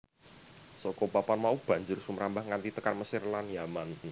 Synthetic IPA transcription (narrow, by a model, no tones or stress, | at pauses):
sɔkɔpapanmaub̥a̤ɲd͡ʒʊrsuməɾambahŋant̪it̪əkarməsɪrlanjaman